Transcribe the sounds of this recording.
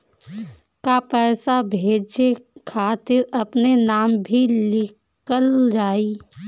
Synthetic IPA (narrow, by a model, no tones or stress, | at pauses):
kapɛːsabʱeːd͡ʒekʰaːt̪ɪɾɐpnenaːmbʱilɪk | əld͡ʒaːiː